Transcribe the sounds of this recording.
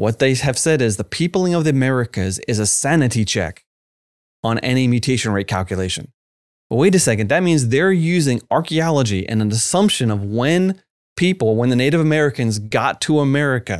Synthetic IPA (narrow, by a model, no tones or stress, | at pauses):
wʌt̪̚ðeɪɨv̥sɛɾɪzðəpʰipl̩ˠɪ̃ŋʌvðiəmɛɹɨkɨzɪzɨsænɨɾit͡ʃʰɛ̰k | ə̃n̩ʔɛ̰ñimjʉtʰeɪʃɨ̃n̩ɹeɪkʰæ̰lˠkjɨleɪʃɨ̰̃n | əweɪɾɨsɛkɨ̃ndðɨt̚mĩnzðə˞jʉzɪ̃ŋɑɹkiɑlˠəd͡ʒiʔɨ̰̃nɨ̃nɨsʌ̃mpʃɨ̃nʌvwɨ̃n | pʰipl̩ˠwə̃nðɨneɪɾɨvəmɛɹɨkɨ̃nzɡɑtʰəəmɛɹɨkɨ̰